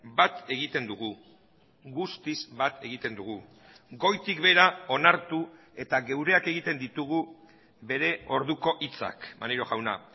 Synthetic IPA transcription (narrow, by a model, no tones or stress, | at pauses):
bat̪e̞ɣit̪e̞nd̪uɣ̞u | ɣust̪izbat̪e̞ɣ̞it̪e̞nd̪uɣ̞u | ɡo̞jt̪ikβe̞ɾao̞naɾt̪u | e̞t̪aɣe̞wɾe̞ake̞ɣ̞it̪e̞nd̪it̪uɣ̞u | be̞ɾe̞o̞ɾðuko̞ʔit͡sa̰kma̰niɾo̞ɣawna̰